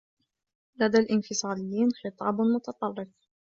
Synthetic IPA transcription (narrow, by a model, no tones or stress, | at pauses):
lad̪aːlʔɪnfɪsˤɑːlɪjːiːnxɨt̪ˤɑːbmʊt̪ɑt̪ˤɑrˤːɪf